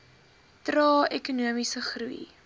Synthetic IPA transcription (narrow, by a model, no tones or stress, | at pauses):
trɑːɛkunuəmisəχruḭ